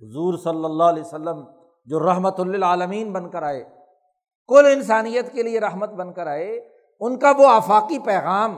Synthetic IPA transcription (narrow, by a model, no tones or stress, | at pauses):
ɦʊzuːɾsɐlːəlːaːɦɐlɛːjsəlːəm | d͡ʒoːɾɐɦmət̪ʊlːɪlaːləmiːnbɐ̃nkəɾaːeː | kʊlɪnsaːnijət̪kelieɾɐɦmət̪bɐ̃nkəɾaːe | ʊnkaʋoaːfaːqipɛːɣaːm